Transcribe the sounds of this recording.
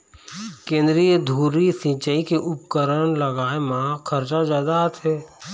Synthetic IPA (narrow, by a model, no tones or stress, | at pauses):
kẽːnd̪ɾijəd̪ʱuːɾisɪ̃t͡ʃəikeʔʊp̚kəɾəñləɡaːemãkʰəɾt͡ʃad͡ʒaːd̪at̪ʰɦɛː